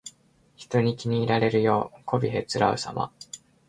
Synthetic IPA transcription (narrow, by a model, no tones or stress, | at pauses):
çi̥t̪o̞ɲ̟ikʲiɲ̟iːɾaɾe̞ɾɯ̟jo̞ːko̞bʲiɦe̞t͡sɨɾaɯ̟̰sama̰